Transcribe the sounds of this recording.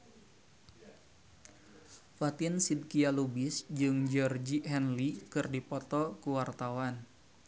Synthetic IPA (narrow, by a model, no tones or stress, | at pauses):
fat̪insid̚kialubɪsd͡ʒɨŋd͡ʒɔrd͡ʒiɛnlikɨrdipɔt̪ɔkuwart̪awan